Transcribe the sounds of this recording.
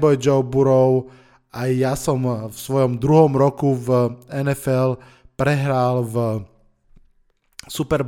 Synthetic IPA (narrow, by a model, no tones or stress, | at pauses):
bɔjd͡ʒɔwbuɾɔʊ | ajasɔmfsʋɔjɔmd̪ɾuɦɔmɾɔkuvɛnɛfɛl | pɾɛɦɾaːlv | supɛɾ